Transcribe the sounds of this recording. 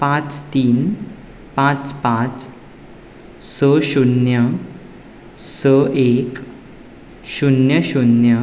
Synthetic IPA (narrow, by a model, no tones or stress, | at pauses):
pãt͡st̪iːn | pãt͡spãt͡s | səɕunjə | səʔek | ɕunjəɕunjə